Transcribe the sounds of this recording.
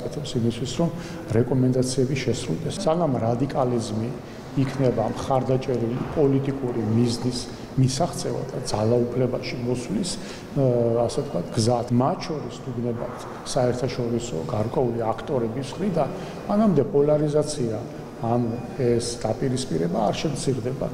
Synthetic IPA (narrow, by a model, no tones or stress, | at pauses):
kʼɛt̪ʰɛpsimist̪ʰwisɾɔm | ɾɛkʼɔmɛnd̪at̪sʰiɛbiʃɛsɾṵlˠd̪ɛssaɡamɾad̪ikʼalizmiː | kʰnɛbamχaɾd̪at͡ʃʼɛɾilipʼɔlit̪ʼikʼuɾimiznis | misaχt̪sʼɛva̰d̪ad̪zalˠaupʰlɛbaʃimɔswlis | asɛt̪ʰkʰwat̪ʰɡzat̪ʰmat̪ʰt͡ʃʰɔɾisd̪uɡnɛba̰t̪ʰ | saɛɾt̪ʰaʃɔɾisɔ̰ɡaɾkʼwɛuliakʰt̪ʼɔɾɛbisχɾid̪an | manamd̪ɛpʼɔlaɾizat̪sʰiaː | nu | ɛsd̪apʼiɾispʼiɾɛbaːɾʃɛmt̪sʰiɾd̪ɛba̰